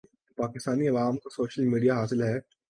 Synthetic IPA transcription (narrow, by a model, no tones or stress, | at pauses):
paːkɪst̪aːniɐʋaːmkosoːʃəlmiːɖijaɦaːsɪlɦɛː